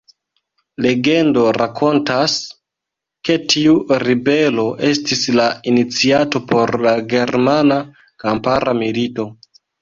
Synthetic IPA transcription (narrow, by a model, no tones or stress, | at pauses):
le̞ɡe̞ndo̞ɾakʰo̞ntas | ke̞tiuɾibe̞lo̞ʔe̞stislainit͡siato̞po̞ɾlaɡe̞ɾmana | kampaɾʔamilito̞